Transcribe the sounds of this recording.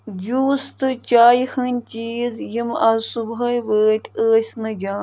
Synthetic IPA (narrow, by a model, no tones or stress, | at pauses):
d͡ʒuːst̪ɨt͡ʃaːjhɐnʲt͡ʃiːzjimɐzsubɐjʋəːt̪ʲʰəːsʲnɨd͡ʒaː